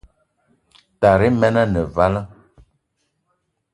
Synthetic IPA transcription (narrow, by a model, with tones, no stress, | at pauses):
ta˨ɾe˦mɛ˦na˦nə˨va˦lə˦